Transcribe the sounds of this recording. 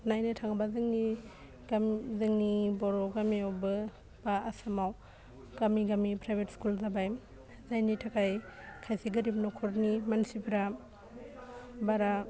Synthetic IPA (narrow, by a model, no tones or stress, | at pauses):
najnɯtʰaŋabazɯŋni | ɡamzɯŋnibɔɾɔɡamiawbɯ | b̥aasamaw | ɡ̥amiɡamipʰɾajbʱetskulzabajm | zajnitʰakʰajkʰajsiɡɯɾip̚nɔkʰɔɾnimansipʰɾa | baɾa